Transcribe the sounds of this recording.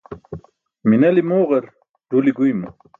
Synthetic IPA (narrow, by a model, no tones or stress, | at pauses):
minɐlimoːʁeɾ | ɖ̥uliɡujmu